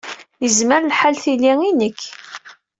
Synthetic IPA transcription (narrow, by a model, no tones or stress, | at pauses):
jəzməɾlħalθiliinəkː